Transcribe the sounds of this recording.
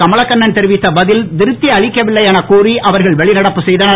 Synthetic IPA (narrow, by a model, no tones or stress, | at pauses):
kɐmɐɭɐkːɐɳːɐnt̪ɛɾɯʋɪt̪ːɐbɐðɪld̪ɪɾɯt̪ːiɐɭɪkːɐʋɪɭːɐɪjaːnɐkuːriʔɐʋɐɾɣɐɭʋɛɭɪnɐɽɐpːɯsɛjðɐnɐ